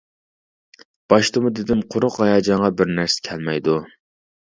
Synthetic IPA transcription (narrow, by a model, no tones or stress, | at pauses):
b̥ɑʃt̪ɨmʊd̪ɪd̪ɪmqʰʊɾʊqɑjɑːd͡ʒɑɴʁɑbɪɾnæɾsɛ̥kʲʰɛlmɛjd̪u